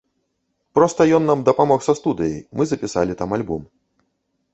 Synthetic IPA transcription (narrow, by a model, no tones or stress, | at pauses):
pɾɔst̪ɐjɔnːamd̪ɐpamɔxsɐst̪ud̪ɨjɐ̰jmɨzɐpʲisa̰lʲit̪amalʲbum